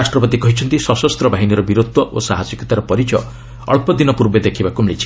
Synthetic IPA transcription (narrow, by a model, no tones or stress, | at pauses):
asʈɾɔpɔt̪ikɔɦit͡ʃʰɔnt̪isɔsɔst̪ɾɔbʱaɦiniɾɔbiɾud̪ʱɔʔosaɦasɔkɔt̪aɾɔpɔɾit͡ʃɔ | ɔ̰ɭpɔd̪inɔpuɾbed̪ekʰibakumɭḭt͡ʃʰi̥